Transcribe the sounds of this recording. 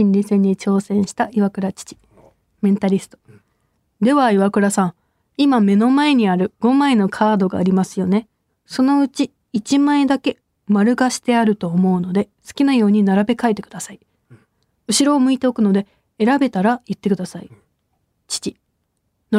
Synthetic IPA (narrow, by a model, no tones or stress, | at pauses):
ĩɲɾʲisẽ̞ɲ̟ːit͡ɕo̞ːsẽ̞ɰ̃ɕi̥t̪aʔiβakɯ̟ɾat͡ɕi̥t͡ɕi̥ | mẽ̞nt̪aɾʲisɨ̥t̪o̥ | d̪e̞βaiβakɯ̟ɾasãŋ | imame̞no̞mae̞ɲ̟iaɾɯ̟ɡ̥o̞maeno̞kʰaːd̪o̞ɡa̰ːɾʲimasɨjo̞ne̞ | so̞no̞ɯ̟t͡ɕiː | t͡ɕimaed̪ake̞ | maɾɯ̟ɡaɕi̥t̪e̞aɾɯ̟t̪o̞ːmo̞ɯ̟no̞d̪e̞sɨ̥kʲinajo̞ːɲ̟inaɾabe̞kae̞t̪ːe̞kɯ̟d̪asai | ɯ̟ɕiɾo̞ːmɯ̟it̪e̞o̞kɯ̟no̞d̪e̞ | e̞ɾabe̞t̪aɾaɯt̪ːe̞kɯ̟d̪asai | t͡ɕi̥t͡ɕi | no